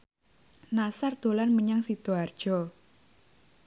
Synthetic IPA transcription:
nasard̪̥o̤lanməɲaŋsit̪oard̥ʒ̥ɔ

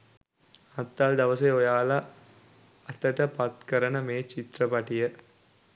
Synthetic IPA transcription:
ɐt̪ːald̪ɐʋəseojaːlɐ | ɐt̪əʈəpɐt̪kəɾənəmeːt͡ʃit̪rəpɐʈijə

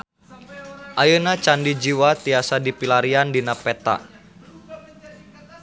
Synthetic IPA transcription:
ʔajənat͡ʃandid͡ʒiwat̪iasadipilaɾiandinapɛt̪a̰

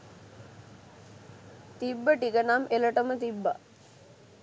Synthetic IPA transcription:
t̪ibːəʈiɡənameləʈəmət̪ibːa̰

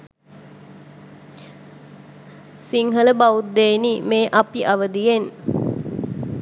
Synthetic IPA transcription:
siŋɦələbaut̪̚d̪eːnimeːʔapiʔaʋəd̪ijen

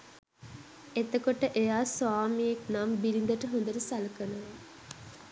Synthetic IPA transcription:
et̪əkoʈəʔejaːsʋaːmijeknambiɾind̪əʈəɦond̪əɾəsaləkənəʋə

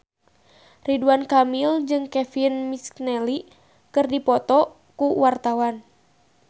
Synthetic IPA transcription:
riduankamild͡ʒɨŋkɛfinmisknɛli | kɨrdipɔt̪ɔ | kuwart̪awan

